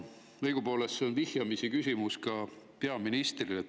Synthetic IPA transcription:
ɤjɡ̥upo̞ːlesːeonvihjɑmisikysʲimuskɑ | pe̞ɑminist̪rile

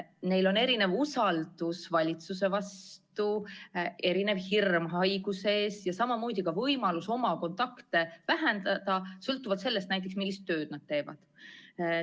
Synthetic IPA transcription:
ne̞jlo̞ne̞ɾine̞vusɑld̪̥usvɑlʲit̪suse̞vɑst̪uʔe̞ɾine̞vhirmɦɑjɡuseeːsjɑsɑmɑmoːd̪̥ʲikɑvɤjmɑluso̞mɑko̞nt̪ˑɑkt̪e̞væɦend̪̥ɑd̪̥ɑsɤlt̪ːˑuvɑd̪se̞lːe̞st̪næjt̪̬ːˑe̞ksmilːist̪ːø̞ːd̪̥̚nɑd̪̥̚t̪e̞ːvɑ̰d̪̥

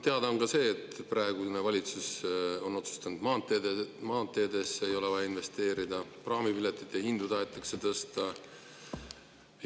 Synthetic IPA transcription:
t̪e̞ɑd̪ɑonkɑse̞ːt̪ːˑprɑˑe̞ɡ̥unevɑlʲit̪suso̞nːo̞t̪su̥st̪ɑnud̪̥mɑːt̪ːemɑːt̪ːˑe̞ːd̪esːeejo̞levɑjɑinve̞st̪e̞ːɾid̪ɑprɑːmipilet̪ːˑit̪ːˑehind̪ud̪̥ɑɑet̪ːˑɑkse̞t̪ɤst̪ɑ

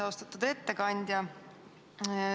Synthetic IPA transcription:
ɑost̪ɑ̥t̪ːˑud̪̥e̞t̪ːe̞kɑnʲd̪̥ʲjɑ

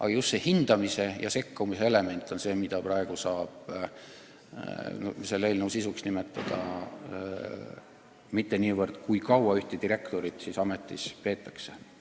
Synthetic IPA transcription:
ʔɑ̰ɡ̥ɑjust̪se̞hind̪̥ɑmise̞jɑ̰se̞kːumise̞ele̞me̞nʲt̪ːˑo̞nse̞ːmid̪̥ɑprɑe̞ɡ̥usɑːb̥̚ | nose̞lːeːlnewsisuksnime̞t̪ːˑɑd̪̥ɑ̰ | mit̪ːe̞niːvərd̪̥kujkɑwɑyht̪ed̪iɾe̞kt̪o̞ɾit̪sisɑme̞t̪ːˑispe̞ːt̪ːˑɑkse̞̥

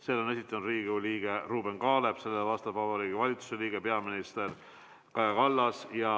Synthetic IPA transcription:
se̞ːlːonesit̪ːˑɑnud̪riːɡuliːɡ̥e̞ruːbe̞nkɑːle̞b̥se̞lːevɑst̪ɑvɑbɑɾiːɡivɑlʲit̪su̥se̞liːɡ̥e̞peɑminist̪e̞r | kɑjɑkɑlːɑsjɑ

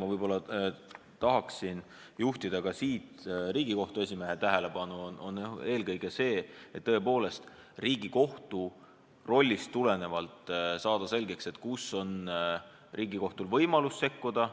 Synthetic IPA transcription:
mɑvɤjb̥o̞lːɑ | t̪ɑɦɑksin | juht̪id̪̥ɑkɑsiːt̪riːɡiko̞ht̪ue̞sʲime̞ɦet̪æɦele̞pɑnuono̰noe̞ːlkɤjɡ̥e̞se̞ːet̪ːɤ̞e̞po̞ːle̞st̪ | riːɡ̥iko̞ht̪u | ro̞lʲːist̪ːule̞ne̞vɑlt̪ˑsɑːd̪̥ɑse̞lʲɡe̞kse̞t̪ːkuso̞n | rʔiːɡiko̞ht̪ulvɤjmɑlusːe̞kːud̪̥ɑ

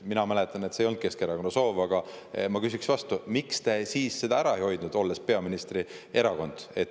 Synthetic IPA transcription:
minɑmælet̪ːˑɑnet̪sejo̞nd̪̚ke̞skeɾɑko̞nːɑso̞ːvɑɡ̥ɑ | mɑkys̬iksvɑst̪umikst̪e̞siːsse̞d̪ɑæɾɑejho̞jd̪̥nud̪o̞lːespe̞ɑminist̪rie̞ɾɑko̞nd̪̥e̞t̪

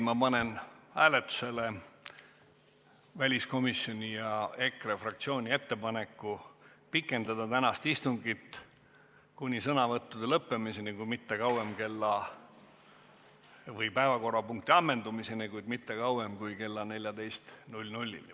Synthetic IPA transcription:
mɑpɑnenhæːlet̪ːˑu̥se̞le̞ | vælʲisko̞misjo̞nʲijɑe̞krefrɑk̚t̪sio̞ːnʲie̞t̪ːe̞pɑne̞kːupikːˑe̞nd̪ɑd̪ɑt̪ænɑst̪ist̪uŋɡit̪ː | kunʲisɤnɑvɤt̪ːud̪̥e̞lɤpːe̞misenikujmit̪ːe̞kɑwemke̞lːɑ | vɤjpæevɑko̞rːɑpuŋk̚t̪iɑmːe̞nd̪umise̞nikujd̪mit̪ːe̞kɑwwemkujke̞lːɑne̞lʲjɑd̪e̞jst̪nulʲnulʲːḭl

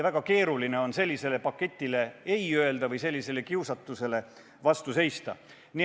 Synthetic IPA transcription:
væɡ̥ɑke̞ːɾuline̞o̞nse̞lʲːise̞le̞pɑkːe̞t̪ʲˑːile̞ejøe̞ld̪̥ɑvɤjse̞lʲːise̞le̞kiusɑt̪ːˑuse̞le̞ | vɑst̪use̞jst̪ɑ̰ | ni

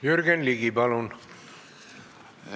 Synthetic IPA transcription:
jyrɡenliɡibɑlun

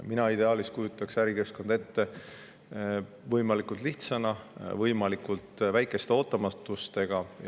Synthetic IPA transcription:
minɑid̪e̞ɑːlist̪kujut̪ːˑɑksæɾike̞sko̞nd̪̥e̞t̪ːe̞ | vɤjmɑlikˑult̪liht̪sɑnɑvɤjmɑlikult̪væjkːˑe̞st̪e̞o̞ːt̪ːˑɑmɑt̪ːˑust̪e̞ɡ̥ɑ

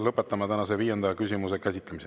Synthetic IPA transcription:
lɤpːˑet̪ːˑɑmɑt̪ænɑseviːjend̪ɑjɑkys̬ʲimuse̞kæsʲit̪lemise

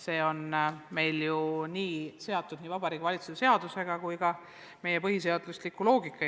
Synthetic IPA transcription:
se̞ːo̞nme̞jljuniːse̞ɑt̪ːˑud̪̥niːvɑbɑɾiːɡvɑlit̪suse̞ɑd̪̥use̞ɡ̥ɑkujɡɑ | me̞je̞pɤɦise̞ɑd̪̥luslikːˑulo̞ːɡ̥ikːˑɑ

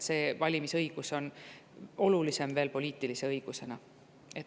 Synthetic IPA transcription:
se̞ːvɑlʲimisɤjɡ̥uso̞n | o̞lulise̞mve̞ːlpo̞lʲiːt̪ːˑilise̞ɤjɡ̥use̞nɑ | e̞t̪

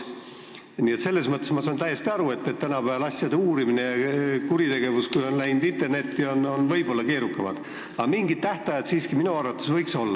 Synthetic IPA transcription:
nie̞t̪se̞lːe̞smɤt̪ːˑesmɑsɑnt̪æjːe̞st̪iɑɾue̞t̪ːet̪ːænɑpæɑlɑsʲjɑd̪euːɾiminejɑkuɾit̪e̞ɡ̥e̞vuskujo̞nlæjnud̪int̪erne̞t̪ːio̞nonvɤjb̥o̞lːɑke̞ːɾukːɑmɑd̪̥ | ɑmiŋɡit̪ːæht̪ɑjɑd̪siːskiminuɑrvɑt̪ːˑesvɤjkso̞lːɑ

